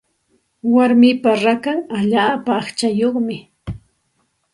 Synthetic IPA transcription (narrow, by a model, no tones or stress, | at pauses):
waɾmɪpaɾakaŋaʎaːpaːχt͡ʃajoχmɪ